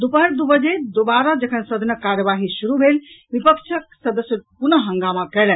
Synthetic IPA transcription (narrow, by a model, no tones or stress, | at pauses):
d̪upəɾd̪ubəd͡ʒed̪obaɾad͡ʒəkʰənsəd̪nəkaɾjəʋaɦisuɾubʱelʋipəkt͡ʃʰək̚səd̪əsjəpunəɦəŋɡamakɛlɛn